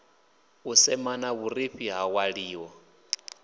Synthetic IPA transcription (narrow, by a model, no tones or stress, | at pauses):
usɛmanaβuriɸiɦawaɺiːwɔ